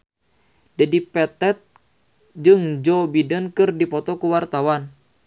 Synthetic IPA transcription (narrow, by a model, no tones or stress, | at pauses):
d͡ʒadipɛt̪ɛt̪̚ | d͡ʒɨŋd͡ʒɔbidənkɨrdipɔt̪ɔkuwart̪awan